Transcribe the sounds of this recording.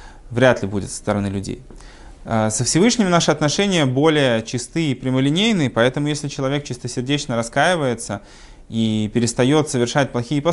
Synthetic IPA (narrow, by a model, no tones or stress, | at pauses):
vɾʲat̪lʲɪbudʲɪ̰t̪st̪əɾɐnɨlʲʉdʲḛj | əsəfsʲɪvɨʂnʲɪmnaʂɨɐt̪nɐʂɛnʲɪjəbo̞lʲɪjət͡ɕɪst̪ɨipɾʲɪməlʲɪnʲejnɨpɐɛt̪əmʊjesʲlʲɪt͡ɕɪlˠɐvʲe̞k̚t͡ɕɪst̪əsʲɪrdʲet͡ɕnəɾɐskajɪvəjɪt̪sə | ipʲɪɾʲɪst̪ɐjo̞t̪səvʲɪrʂat̚ʲplˠɐxʲijəpɐ